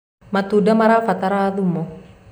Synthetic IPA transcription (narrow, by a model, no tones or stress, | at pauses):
mat̪udamaɾafat̪aɾaðumɔ